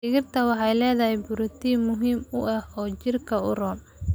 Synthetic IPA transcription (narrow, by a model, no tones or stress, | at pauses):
ɪɣɪrt̪ʰɐwɑħɑjlɛːðɐɦɛjbʊɾʊt̪ʰimʊɦiːmʊʔɐhɔːt͡ʃɪrkʰɐʊ̰rɔːm